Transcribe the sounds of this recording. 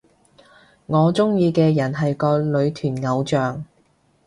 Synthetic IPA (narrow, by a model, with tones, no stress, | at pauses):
ŋɔː˨˧t͡sʊ˥ŋjiː˧kɛː˧jɐ˨˩nɦɐ˨jkɔː˧lɵ˨˧ɥt̪ʰyː˨˩nŋɐ˨˧wt͡ʃœː˨ŋ